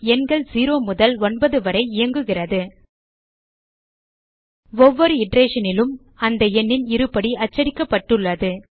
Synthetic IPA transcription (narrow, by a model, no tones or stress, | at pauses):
ɛnɡɐɭsiːɾoːmʊðɐlɔnbɐðɯʋɐɾɐɪɪjɐŋɡɯɣɪrɐðɯ | ʋɔʋːɔɾɯɪɖɾeːʂɐnɪlɯm | ɐnd̪ɐɛnːɪnɪɾɯpːɐɽiɐt͡ʃːɐɾɪkːɐpːɐʈːɯɭːɐðɯ